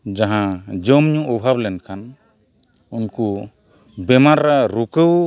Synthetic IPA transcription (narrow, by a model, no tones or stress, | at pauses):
d͡ʒaɦãd͡ʒəmɲũʔːbʱablɛnkan | unku | bɛmaɾːaɾukəw